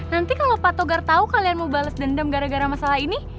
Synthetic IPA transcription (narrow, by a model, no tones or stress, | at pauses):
nant̪ikalopat̪oɡart̪aukalianməbaləsdəndamɡaɾaɡaɾamasalaɦini